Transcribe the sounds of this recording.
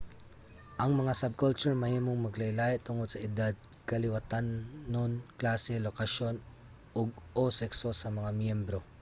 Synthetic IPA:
ʔɐŋmɐŋasɐb̚kʊlt͡ʃʊɹmɐhiːmoŋmɐɡlɐjlaːjɛʔt̪ʊŋod̪sɐʔɪd̪ad̪̚kɐlɪwɐt̪anːonklaːsɛlokɐʃo̞n | ʔoɡ̚ʔosɛksosɐmɐŋamjɛmbɾo̞

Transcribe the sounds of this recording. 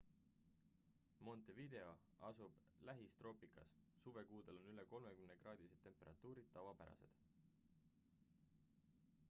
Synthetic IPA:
mo̞nt̪ˑevid̪̥e̞o̞ | ɑsub̥ | læɦist̪ro̞ːpikɑssuve̞kuːd̪e̞lo̞nyleko̞lmekymne̞ɡ̥rɑːd̪̥iset̪ːempːe̞ɾɑt̪ːˑuːɾid̪̥̚t̪ːɑvɑpæɾɑ̰se̞̰d̪̥

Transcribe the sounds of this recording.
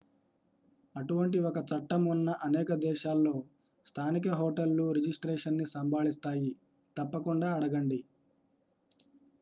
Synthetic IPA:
ɐʈuʋɐɳʈiɔkɐt͡ʃɐʈːɐmunːɐʔɐnɛːkɐd̪ɛːʃaːlːo̞ː | st̪ʰaːnik̬ɐɦo̞ːʈɐlːuɾid͡ʒisʈɾeːʂɐnːisɐmbʱaːlist̪aːji | t̪ɐpːɐkuɳɖaːɐɽɐɡɐɳɖi

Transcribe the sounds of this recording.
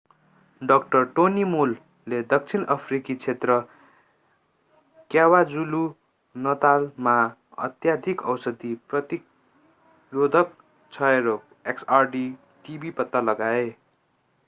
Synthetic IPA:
ɖʌkʈʌrʈonimulː | ed̪ʌk̚t͡sʰinʌpʰrikit͡sʰet̪rʌ | kjawad͡zulu | nʌt̪alma | ʌ̰t̪jad̪ʱikʌwsʌd̪iprʌt̪ik | rod̪ʱʌk̚ | t͡sʰʌeɾok̚ | eksarɖi | ʈibipʌt̪ːalʌɡae

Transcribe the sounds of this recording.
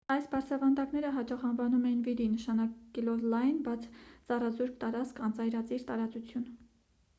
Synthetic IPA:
ɑjsbɑɾt͡sʰɑvɑnd̪ɑknɛɾəɦɑt͡ʃɑχɑnvɑnumɛjinviɾinəʃɑnɑkɛlɔvlɑjnbɑt͡sʰt͡sɑrɑzuɾkt̪ɑɾɑt͡skʰɑnt͡sɑjɾɑt͡siɾt̪ɑɾɑt͡sut͡sʰjun

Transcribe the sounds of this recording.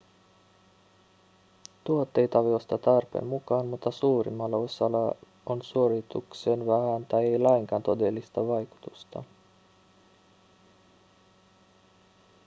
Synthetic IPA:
t̪uot̪ːe̞jt̪ɑʋiost̪ɑt̪ɑrpe̞̰mmukɑːnmut̪ːɑsuːrḭmːɑlːɑosɑlɑ | onsuoɾit̪ṵksenʋæhænt̪ɑjejlæjŋkɑːnt̪o̞delːist̪ɑʋɑjku̥t̪ust̪ɑ̰

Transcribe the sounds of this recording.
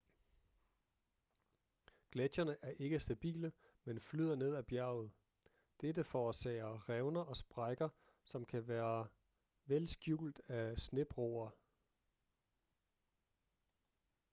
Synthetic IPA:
ɡ̥læd̥jɐnəʔæɐʔe̝ɡ̥əsd̥æb̥ḭːlə | menflyð̞̰ˠɐne̝ð̞ˠæb̥jæɐ̰ʊð̩ˠ | d̥edəfɒːsɛ̰ːɪɐʁɛʊnɐʔɒ̽sb̥ʁɑɪɡ̥ɐ | sɒ̽mkʰæʋæːɐ | ʋelsɡ̥jṵːld̥æsne̝b̥ʁo̰ːɐ

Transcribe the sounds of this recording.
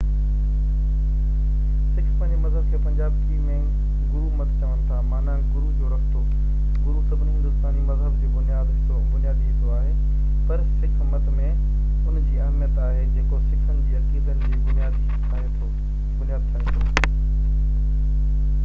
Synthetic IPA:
sɪkʰmə̃nimɐzɦəb̚kʰeːpɐ̃ɲd͡ʑaːbkimẽ | ɡʊɾumɐt̪t͡ɕaʋənɪ̆t̪ʰamaːnãːɡʊɾud͡ʑoːɾɐxt̪o | ɡʊɾusɐbʱniɦɪ̃nd̪ʊst̪aːnimɐzɦəbd͡ʑiːbʊnijaːd̪t̪oːbʊnijaːd̪ʰĩnd̪oaːɦeː | pɐɾsɪkʰmət̪mẽ | ʊnd͡ʑiːɐɦmijət̪aːɦed͡ʑeːkosɪkʰənkʰiːɐkiːd̪ənd͡ʑiːbʊnijaːd̪ | kʰaːet̪ʰo | bʊnijaːd̪̚t̪ʰaːɦ̪o̰ː

